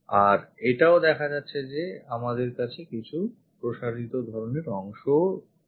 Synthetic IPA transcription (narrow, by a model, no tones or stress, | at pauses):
aɾeʈaod̪ɛkʰad͡ʑatːɕʰed͡ʑeamad̪eɾkat͡ɕʰekit͡ɕʰu | pɾoʃaɾit̪od̪ʱɔɾoneɾɔŋʃo